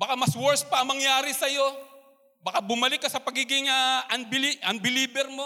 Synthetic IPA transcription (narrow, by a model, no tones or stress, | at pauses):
bɐkamɐswɔɹspɐʔɐŋmɐŋjaːɾɪsɐjo̞ | bɐkabʊmɐlɪkːɐsɐpɐɡiːɡɪŋɐːʔɐnbɪliʔɐnbɪliːbɛɾmo